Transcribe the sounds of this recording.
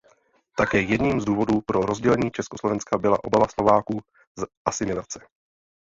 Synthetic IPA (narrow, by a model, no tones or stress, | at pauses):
t̪akɛːjɛdɲiːmzduːvo̞duːpɾo̞ɾo̞zɟɛlɛɲiːt͡ʃɛskoslo̞vɛnskabɪla̰ʔo̞̰bavaslo̞vaːkuː | zʔasɪmɪlat͡sɛ̥